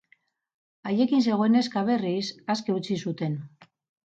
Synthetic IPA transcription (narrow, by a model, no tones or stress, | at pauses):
aje̞kins̬e̞ɣo̞ene̞skaβ̞e̞risaske̞ut͡sisut̪e̞n